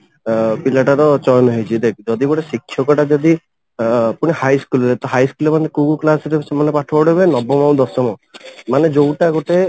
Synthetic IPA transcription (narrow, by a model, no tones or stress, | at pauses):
pilaʈaɾɔt͡ʃɔjnɔɦejt͡ʃʰid̪ekʰɔd͡ʒɔd̪ibɔɽesikʰʃʰjɔkɔʈad͡ʒɔd̪i | puɽ̃ihajskulɔɾet̪ɔɦajskulemanekuɡuklasɔɾesemanepaʈʰɔbɔɽɦebenɔbɔmãw̃d̪ɔsɔmɔmaned͡ʒowʈaɡoʈe